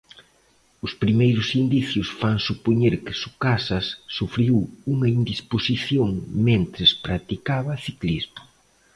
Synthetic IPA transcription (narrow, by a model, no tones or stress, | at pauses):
ʊspɾimejɾʊsind̪iθjʊsfaŋsupoɲeɾkɪsukasɐsːufɾiwuŋɐind̪isposiθjoŋmẽnt̪ɾɪspɾat̪ikaβɐθiklizmʊ